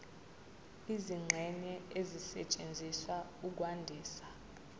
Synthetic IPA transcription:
iziŋ͡ǁʱɛnɛezisɛt͡ʃʼend͡zʱiswauk̬wandʱiːsḁ

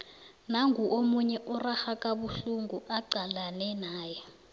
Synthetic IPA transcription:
naŋʱuʔomuɲɛʔɔrahakʼaɓuɬuŋɡʱuʔaǃalanɛnaːjɛ

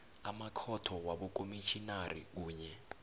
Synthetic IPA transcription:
amakʰɔtʰɔwaɓukomiʃinarḭk̬uːɲɛ

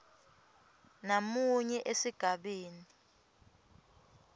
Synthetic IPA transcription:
namuɲɛʔesiɡ̥ʱaɓeːni

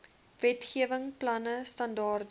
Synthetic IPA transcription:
vɛtχiəvəŋplɐnəstɐndɑːr

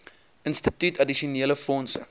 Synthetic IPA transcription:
ʔənstitytɐdiʃiuniələfɔnsə̰

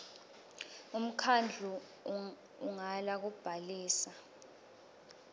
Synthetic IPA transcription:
um̩kʰand͡ɮʱu | uŋalak̬ub̥ʱaliːsa

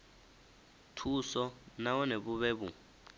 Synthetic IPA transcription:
tʰusɔnawɔneβuβɛːbu

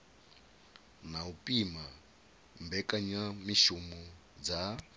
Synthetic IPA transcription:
naupʼima | mbɛkʼaɲamiʃumu | d͡za

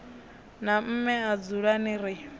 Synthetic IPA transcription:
nam̩mɛad͡zuɺaniɾɪ

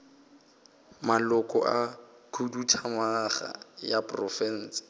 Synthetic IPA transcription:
malʊkʼɔ̰ʔakʰudutʰamaχa̰japʼrɔfɛn̩sɪ̥

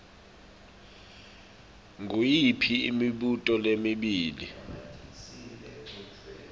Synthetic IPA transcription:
ŋujipʰiḭmiɓutʼɔlemiɓiːli

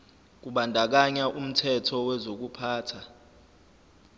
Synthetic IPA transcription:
k̬uɓandʱak̬aɲaʔum̩tʰɛtʰɔwɛzok̬upʰaːtʰa

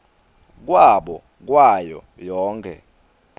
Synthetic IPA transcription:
k̬waɓɔ̰ | k̬wajɔ̰ | jɔːŋkʰɛ̰

